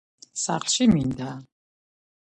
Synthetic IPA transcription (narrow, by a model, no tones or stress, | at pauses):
sa̰χlʃimind̪a